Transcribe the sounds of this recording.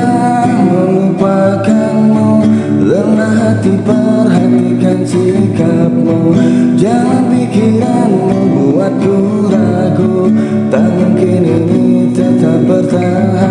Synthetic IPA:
a | məŋupakanmo | ləmnaɦat̪ipərɦanikansikap̚mod͡ʒaŋanpikinan | əbuat̪̚ːu | la | ɡu | t̪amuŋkɪninit̪ət̪ap̚bərt̪a | a

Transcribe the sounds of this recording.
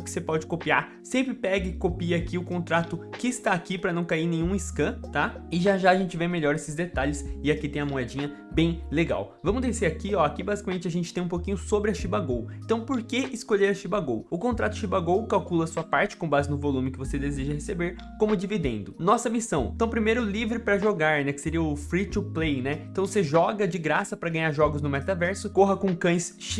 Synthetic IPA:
ʊkɪ̥sepɔd͡ʒɪkopiaɾ | sẽmpɾɪpɛɡɪkopiɐakiʊkõnt̪ɾat̪ʊkɪɪst̪aːkipɾɐnɐ̃w̃kaiɾnẽjɲ̃ũɪskɐ̃t̪aɪʒaʒaɐʒẽnt͡ʃɪvemeʎɔɾesɪzd̪et̪aʎɪsɪakit̪ẽj̃ɐmoɛd͡ʒĩɲɐ | bẽj̃leɡa̰w | vɐ̃mʊzd̪eseɾakiɔakibazikamẽnt͡ʃɪɐʒẽnt͡ʃɪ̥t̪ẽũpokĩɲʊsobɾɪɐʃibaɡowẽt̪ɐ̃w̃poɾkeɪskoʎeɾɐʃibaɡowʊkõnt̪ɾat̪ʊʃibaɡowkawkulɐsuɐpaɾt͡ʃɪ̥kõbazɪnʊvolũmɪkɪvosed̪ezeʒɐhesebeɾ | kõmʊd͡ʒivid̪ẽnd̪ʊnɔsɐmisɐ̃w̰̃t̪ɐ̃w̃pɾimejɾʊlivɾɪpɾɐʒoɡaɾnɛkɪ̥seɾiɐʊfɾit͡ʃ̪uplejnɛẽt̪ɐ̃w̃vos̬eʒɔɡɐd͡ʒɪɡɾasɐpɾɐɡɐ̃ɲ̃aɾʒɔɡʊznʊmɛt̪avɛɾsʊkoɦɐkõkɐ̃j̃sʃi

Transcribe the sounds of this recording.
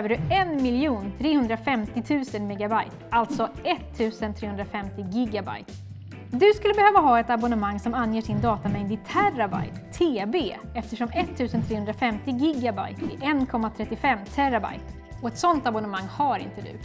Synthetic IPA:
øːvəɖɵɛnmɪljuːnt̪ʰɾeːhɵnd̪ɾafɛmt̪ɪt̪ʰʉ̟ːsənmɛːɡabajt̪alt̪sɔɛt̪ʰːʉ̟ːsənt̪ʰɾeːhɵnd̪ɾafɛmt̪ɪɡɪɡaba̰jt̪ | d̪ɵskɵlːəbɛhøːvaɦɑːɛt̪abɔnəmaŋːsɔmanːjeːʂɪnd̪ɑːt̪amɛɪnd̪ɪt̪ʰæraba̰jt̪ʰːeːbeː | ɛft̪əʂɔmɛt̪ʰːʉ̟ːsənt̪ʰɾeːhɵnd̪ɾafɛmt̪ɪɡɪɡaba̰jt̪ɪʔɛnkʰɔmːat̪ʰɾɛt̪ːɪfɛmːt̪ʰæɾaba̰jt̪ | ɔɛt̪sɔnt̪abɔnəmaŋːhaɾɪ̰nt̪əd̪ɵ̰

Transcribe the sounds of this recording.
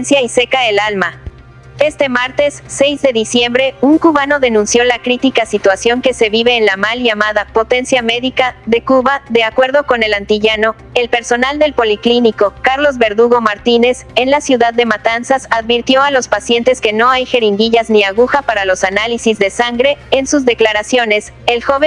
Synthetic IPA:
nsjaise̞kaelalma | e̞st̪e̞maɾt̪e̞sːe̞jzðe̞ðisje̞mbɾe̞uŋkuβano̞ðe̞nũnsjo̞lakɾit̪ikasit̪wasjo̞ŋke̞se̞βiβe̞ːnlamalʝamaðapo̞t̪e̞nsjame̞ðikaðe̞kuβaðe̞akwe̞ɾðo̞ko̞ne̞lant̪iʝano̞ | elpe̞ɾso̞nald̪e̞lpo̞likliniko̞kaɾlo̞zβe̞ɾðuɣo̞maɾt̪ine̞se̞nlasjuðaðːe̞mat̪ansasaðβiɾt̪jo̞alo̞spasje̞nt̪e̞ske̞no̞ajxe̞ɾiŋɡiʝazniaɣuxapaɾalo̞sanalisizðe̞saŋɡɾe̞ːnsuzðe̞klaɾasjo̞ne̞s | elxo̞βe

